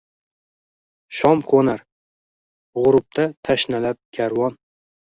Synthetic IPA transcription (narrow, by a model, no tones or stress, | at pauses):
ʃɒmqʰonaɾ | ʁʊɾʊp̚t̪ʰat̪ʰaʃnalap̚ɡʲaɾwɒn